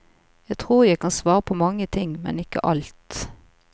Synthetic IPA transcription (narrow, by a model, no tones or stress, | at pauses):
jæɪt̪ʰʁuːjæɪkʰɑnsʋɑːʁəpʰɔmɑŋːət̪ʰɪŋmɛ̰nɪkːə̰ʔɑlt̪